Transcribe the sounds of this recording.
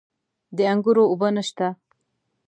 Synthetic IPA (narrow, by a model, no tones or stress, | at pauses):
d̪əaŋɡuɾoubənaʃt̪a